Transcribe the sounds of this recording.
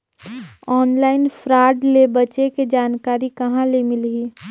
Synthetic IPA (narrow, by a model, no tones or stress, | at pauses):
ɔːnlaːɪnfʰɾaːɖlebɐt͡ʃeked͡ʒaːnkaːɾikɐɦãlemɪlɡiː